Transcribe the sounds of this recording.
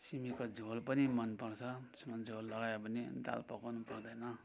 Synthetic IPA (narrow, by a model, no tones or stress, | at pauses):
simikod͡zʱolpʌnimʌnpʌrt͡sʰʌsimʌnd͡zʱolːʌɡajobʌnid̪a̰lpʌkawnupʌrd̪ʌjnʌ